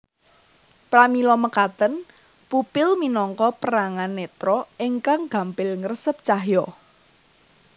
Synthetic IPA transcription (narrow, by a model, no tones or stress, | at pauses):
pɾamilɔməkat̪ən | pupɪlminɔŋkɔpəɾaŋanːɛt̪ɾɔiŋkaŋɡ̥a̤mpɪlŋərəsəp̚t͡ʃaɦjɔ